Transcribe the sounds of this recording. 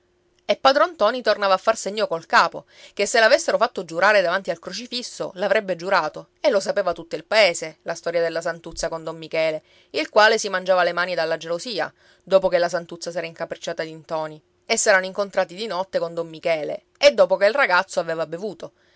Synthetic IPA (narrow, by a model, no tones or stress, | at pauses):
epːaːd̪ɾoant̪ɔːnit̪ornaːvaːfːarseɲːokolkaːpo̰ | kesːelavesːeɾofat̪ːod͡ʒuɾaːɾed̪avant̪ialkɾot͡ʃifisːo̰lavɾɛbːed͡ʒuɾaːt̪o | elːosapeːvat̪ut̪ːoilpaeːselast̪ɔːɾjad̪elːasant̪ut̪sːakond̪omːikɛːle | ilkwaːlesimand͡ʒaːvalemaːnid̪alːad͡ʒelosiːa̰ | d̪oːpokelːasant̪ut̪sːasɛːɾaiŋkapɾet͡ʃːaːt̪ad̪int̪ɔːni | esːɛːɾanoiŋkont̪ɾaːt̪id̪inɔt̪ːekond̪omːikɛːlḛ | ed̪ːɔːpokeilraɡat̪sːoaveːvabevuːt̪o